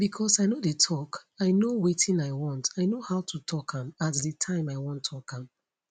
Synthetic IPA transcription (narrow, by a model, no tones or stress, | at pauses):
bikʰɔsaɪnodetʰɔkaɪnowetʰĩnaɪwɔ̃ntaɪnohaʊtʰutʰɔkʰãmatdətʰãɪ̃maɪwɔ̃ntʰɔkʰãm